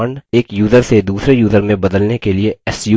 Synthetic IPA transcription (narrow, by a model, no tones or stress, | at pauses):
əɳɖeːkjuːzəɾsed̪uːsɾejuːzəɾmẽbɐd̪əlnekelieɛsjuː